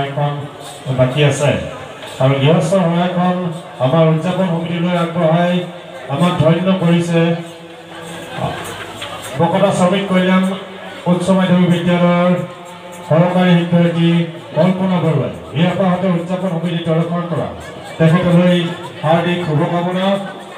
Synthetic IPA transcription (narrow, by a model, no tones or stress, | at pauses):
jkʰɔn | bakiasaj | aɹɔɡiɦɔsɔɦɔjakʰɔn | amaɹuzapɔnxɔmitilojaɡɹɔɦaj | amak̚dʱɔjnːɔkoɹisɛ | bɔkɔtʰasɔmit̚koɹilam | kunsɔmajdʱɔbibidijaɾɔɹ | kɔɹɔkaɹiɦidɔɹki | kɔlpɔnabʱɔɹua̰jɡiɦɔpaɦɔtɛuzapɔnxɔmititɔlɔkʰɔnkɔɹa̰ | tɛkʰɛtɔloj | haɹdikʰubɔkabɔna